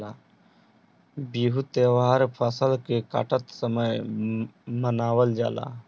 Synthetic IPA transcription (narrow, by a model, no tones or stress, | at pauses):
aː | biːɦut̪eːʋaːɾpʰaːsəlkeka̰ːʈət̪səməj | mənaːʋəld͡ʒa̰ːla̰ː